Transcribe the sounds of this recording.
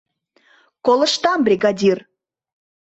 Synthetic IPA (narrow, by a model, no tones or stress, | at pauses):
kolˠə̆ʃt̪ɑmbrʲiɡɑdʲir